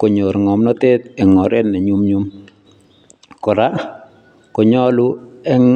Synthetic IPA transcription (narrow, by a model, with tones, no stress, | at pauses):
ko˨ɲo˨ɾŋɔ˨mnɔ˦te˦t̪ɛ˨ŋɔ˨ɾɛ˦tnɛ˨ɲu˦mɲu˦m | kɔ˨ɾa˦ | kɔ˨ɲɔ˦lu˦ɛ˦